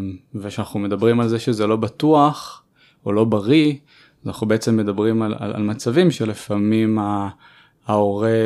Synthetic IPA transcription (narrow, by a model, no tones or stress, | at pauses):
veʃanaχnume̞dabʁimalzeʃezelo̞bat̪uaχ | olo̞baʁi | zanaχnube̞et͡se̞mːe̞d̪abʁimala̰la̰lmat͡savimʃe̞lefamimaː | oʁe